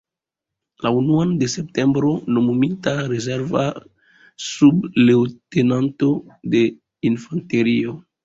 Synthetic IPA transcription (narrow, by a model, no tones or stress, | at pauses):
launuande̞se̞p̚te̞mbɾo̞nomumitaɾeze̞ɾva̰ | sublewte̞nanto̞de̞ | infante̞ɾio̞